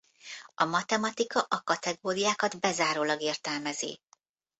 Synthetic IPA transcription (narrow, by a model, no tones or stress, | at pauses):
ɒmɒt̪ɛmɒt̪ikɒʔɒkɒt̪ɛɡoːɾijaːkɒd̪bɛzaːɾoːlɒɡeːrt̪ɛlmɛzḭ